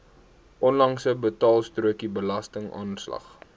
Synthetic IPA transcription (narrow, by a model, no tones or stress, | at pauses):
ʔɔnlɐŋsəbətɑːlˠstruəkibəlɐstəŋɑ̰ːnslɐ̰χ